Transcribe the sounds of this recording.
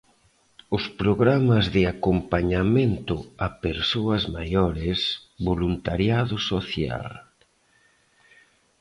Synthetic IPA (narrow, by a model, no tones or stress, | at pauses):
ʊspɾoɣɾamɐzðɪakompaɲamẽnt̪ʊapeɾsoɐzmajɔɾɪsbolunt̪aɾjaðʊsoθja̰l